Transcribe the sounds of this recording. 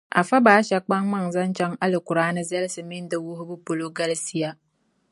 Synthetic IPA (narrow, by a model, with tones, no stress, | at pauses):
ʔa̰˨fa˦baː˨˦ʃɛ˨k͡pa˦ŋma˦ŋza˦nt͡ʃɛ˦ŋa˦lɪ˨kʊ˨ɾaː˦nɨ˦zɛ˦lɪ˦sɨ˨mɪ˦ndɪ˦wʊ˦hʊ˦bʊ˦po˨lo˦ɡa˦lɪ˦si˦ja˦